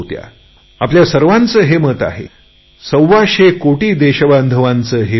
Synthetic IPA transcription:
t̪ja̰ | apljasəɾʋãnt͡səːɦemət̪a̰ɦḛ | səwːaɕekoʈiːd̪eɕəband̪ʱəʋant͡səːɦe

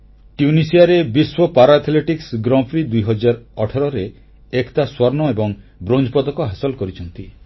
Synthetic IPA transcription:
ʈjunisiaɾebiswɔpaɾat̪ʰleʈiksɡɾɔ̃pʰɾid̪ujɦɔd͡ʒaɾɔʈʰaɾɔɾe | ekt̪aswɔɾnɔebɔŋbɾond͡ʒɔpɔd̪ɔkɔɦasɔlɔkɔɾit͡ʃʰɔnt̪i

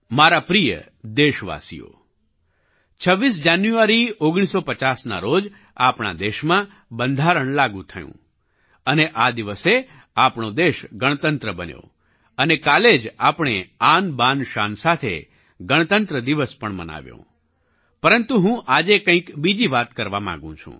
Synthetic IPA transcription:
maɾapɾijə̰ | d̪eʃʋa̰sḭjo̰ | t͡ʃʰəʋːis̬d͡ʒanjuaɾioɡɽ̃isopət͡ʃasna̰ɾod͡ʒ | apɳa̰d̪eʃmã | bənd̪ʱaɾəɳ̃laɡũt̪ʰəjṵ̃ | əneʔad̪iʋəse | apɳod̪eʃɡəɳ̃t̪ənt̪ɾəbənjo̰ | ənekaled͡ʒapɳ̃eanbanʃansat̪ʰḛ | ɡəɽ̃t̪ənt̪ɾəd̪iʋəspəɳmə̰na̰ʋjõ̰ | pəɾənt̪uɦũʔad͡ʒekə̃ĩkbid͡ʒiʋat̪kəɾʋamã̰ŋɡṵ̃t͡ʃʰṵ̃

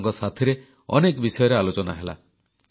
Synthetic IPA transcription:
ŋkɔsat̪ʰiɾe | ɔnekbisɔjɔɾealot͡ʃɔna̰ɦela̰

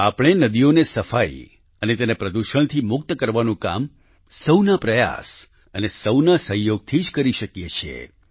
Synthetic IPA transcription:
apɽ̃enəd̪ionesəfai | ənet̪enepɾəd̪uʃəɳ̃t̪ʰimʊk̚t̪əkəɾʋanũka̰m | səwnapɾəja̰s | ənesəwnasə̃ɦjoɡ̚t̪ʰid͡ʒkəɾiʃəkjet͡ʃʰḛ

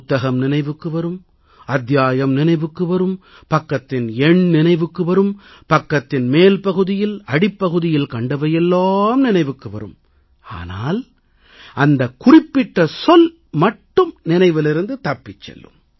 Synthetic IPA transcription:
ʊt̪ːɐɣɐmnɪnɐɪʋɯkːɯʋɐɾɯm | ɐd̪jaːjɐmnɪnɐɪʋɯkːɯʋɐɾɯm | pɐkːɐt̪ːɪnɛɳnɪnɐɪʋɯkːɯʋɐɾɯmpɐkːɐt̪ːɪnmeːlpɐɣɯðɪjɪlɐɽɪpːɐɣɯðɪjɪlkɐɳɖɐʋɐjɛlːaːmnɪnɐɪʋɯkːɯʋɐ̰ɾɯ̰m | a̰ːna̰ːl | ʔɐnd̪ɐkʊrɪpːɪʈːɐsɔl | mɐʈːɯmnɪnɐɪʋɪlɪɾɯnd̪ɯt̪ɐpːɪt͡ʃːɛ̰lːɯ̰m

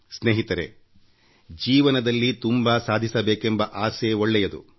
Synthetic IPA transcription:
sneːɦit̪ɐɾe | d͡ʒiːʋɐnɐd̪ɐlːit̪umbasaːd̪ʱisɐbeːkembɐʔaːseːoɭːɛjɐd̪ṵ

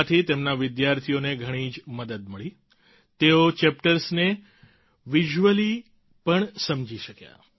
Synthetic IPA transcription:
t̪ʰit̪emnaʋɪd̪jaɾt̪ʰijoneɡʱəɽ̃iːd͡ʒməd̪əd̪̚məɭi | t̪eot͡ʃɛpʈəɾsne | ʋiʒuʋəli | pəɳsəmd͡ʒiʃəkja̰

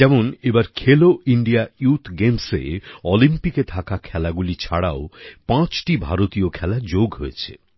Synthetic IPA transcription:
ɛmonebaɾkʰeloiɳɖiajut̪ʰɡemsḛɔlimpiket̪ʰakakʰɛlaɡulit͡ɕʰaɽa̰opãt͡ɕʈibʱa̰ɾot̪iokʰɛlad͡ʑoɡɦoet͡ɕʰḛ

